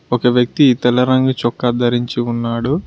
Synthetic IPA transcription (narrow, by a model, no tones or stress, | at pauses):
ɔkɐʋjɐk̚t̪iːt̪ɛlɐɾɐŋɡut͡ʃɔkːɐd̪ɐɾiɲt͡ʃiunːaːɽu